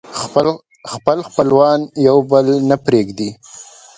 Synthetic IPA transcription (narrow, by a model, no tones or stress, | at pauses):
xpəlxpəlwɑnjawbəlnapɾeɡd̪i